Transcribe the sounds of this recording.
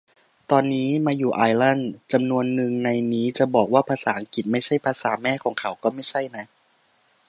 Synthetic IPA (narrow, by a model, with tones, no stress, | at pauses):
t̪ɔː˧nːiː˦˥maː˧juː˨˩ʔaː˧jla˥˩nt͡ɕa˧mnu˧ənːɯ˨˩ŋna˧jniː˦˥t͡ɕa˨˩bɔː˨˩k̚waː˥˩pʰaː˧saː˩˦ʔa˧ŋki˨˩t̪̚ma˥˩jt͡ɕʰa˥˩jpʰaː˧saː˩˦mɛː˥˩kʰɔː˩˦ŋkʰa˩˦wkɔː˥˩ma˥˩jt͡ɕʰa˥˩jna˦˥